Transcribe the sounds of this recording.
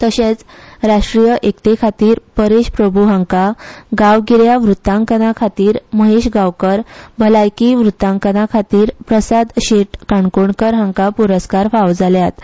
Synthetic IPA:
t̪əɕẽt͡sɾaʂʈɾijəʔekt̪ekʰat̪iːɾpəɾeɕpɾəbʱuɦãŋkaɡawɡiɾjaʋɾut̪ːãŋkənakʰat̪iːɾməɦeɕɡawkəɾbʱəlajkiʋɾut̪ːãŋkənakʰat̪iːɾpɾəsad̪ɕeʈkaɳkoɳkəɾɦə̃ŋkapuɾəskaɾfawd͡zaljat̪

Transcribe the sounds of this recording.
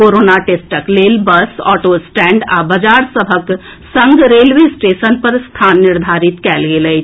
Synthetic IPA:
koːɾoːnaʈeːsʈəkleːlbəsɔ̰ːʈoːsʈɛ̃ːɳɖa̰ːbɐd͡ʒaːɾsəbʱək | sɐ̃ŋɡɾeːlʋesʈeːʃənpɐɾst̪ʰaːnːɪɾd̪ʱaːɾɪt̪kɛːlɡele

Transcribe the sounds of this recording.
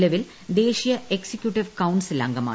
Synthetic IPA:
lɐʋil | d̪e̞ːɕijɐʔeksikʲjuʈːiʋkɐwɳɖsila̰ːŋɡɐma̰ː

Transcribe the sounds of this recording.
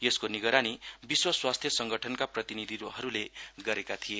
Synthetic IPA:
eskoniɡʌɾanibiswʌswast̪ʰjʌsʌŋɡʌʈʰʌnkaprʌt̪inid̪ʱiɦʌɾuleɡʌɾekat̪ʰije

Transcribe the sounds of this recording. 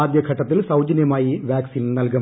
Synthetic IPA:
aːd̪jɐɡʰʱɐʈːɐt̪ːilsɐwd͡ʑɐnjɐmaːjiʋjaːksiːnnɐlkɐ

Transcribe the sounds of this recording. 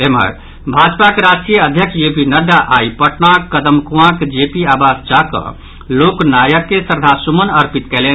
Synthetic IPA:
emə̰ɾ | bʱad͡ʒpakeɾasʈɾijəəd̪ʱjəksʰd͡ʒepinəɖaʔaipəʈnakːəd̪əmkuãkd͡ʒepiabasd͡ʒakə̰ | loknajəkːesəɾd̪ʱasumənəɾpit̪kɛlen

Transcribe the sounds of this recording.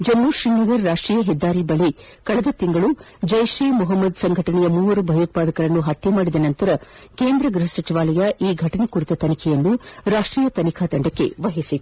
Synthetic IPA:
d͡ʒɐnːuʃinnid̪iɾːaːʂʈɾiːjɐɦɛd̪ːaːɾibɐɭe | kɐɭɐd̪ɐt̪iŋɡɐɭu | d͡ʒɐjʂiːmuɦɐmːɐd̪sɐŋɡʱɐʈɐɳɛjɐmuːʋɐɾubʱɐjɐt̪̚paːd̪ɐkɐɾɐnːuɦɐt̪jɐmaːɽid̪ɐnɐnt̪ɐɾɐkeːnd̪ɾɐɡɾuɦɐsɐt͡ʃiʋaːlɐjɐʔiːɡʱɐʈɐnekuɾit̪ɐt̪ɐnikʰɛjɐnːuɾaːʂʈɾiːjɐt̪ɐnikʰaːd̪ɐɳɖɐkːe̞̰ʋɐɦisit̪

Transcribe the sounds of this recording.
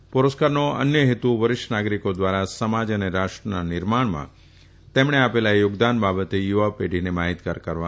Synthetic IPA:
pʊɾəskaɾnoə̰njəɦet̪uʋəɾɪʃnaɡɾikod̪ʋaɾasəmad͡ʒəneɾaʃʈɾənanɪɾmaɳ̃mã̰ | t̪emɳ̃eapelajʊɡd̪anbabət̪ejuʋapeɖinemaɦit̪kaɾkəɾʋa

